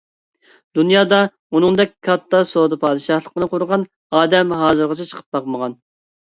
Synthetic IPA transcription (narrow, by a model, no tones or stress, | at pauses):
d̪unjɑːd̪ɑ | unɨŋd̪ɛkʲkːʰɑt̪ːɑsod̪ɨpʰɑːd̪ɨʃɑhlˠəqənɨqʊɾʁɑn | ɑːd̪ɛmɦɑːzɨɾʁɑt͡ʃʰɛt͡ʃʰə̥qʰə̥p̚bɑqməʁɑn